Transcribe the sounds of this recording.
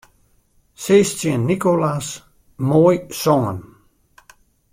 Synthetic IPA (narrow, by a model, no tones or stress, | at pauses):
seːstjənːikolas | mɔjsɔŋə̰n